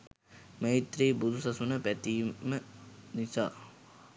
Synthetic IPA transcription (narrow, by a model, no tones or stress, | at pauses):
məɦit̪ɾiːbud̪ʱusasunəpæt̪iːmənisa̰ː